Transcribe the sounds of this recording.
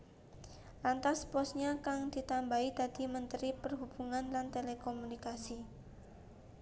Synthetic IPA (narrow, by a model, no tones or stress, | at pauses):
lant̪aspɔsɲakaŋd̪̥i̤t̪ambaid̪ad̪̥i̤mənt̪ɾipərɦub̥uŋanlant̪elekomunikasi